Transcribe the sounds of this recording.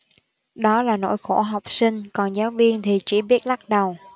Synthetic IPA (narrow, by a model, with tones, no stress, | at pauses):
ɗɔ˨˦laː˨˩no̰˧˥jxo˧˩ɦa˨˩wk͡p̚sï˧ŋ̟kɔ˨˩nzaː˨˦wvi˧ənt̪ʰi˨˩t͡ɕi˧˩ɓi˦˥ət̚la˦˥t̚ɗə˨˩w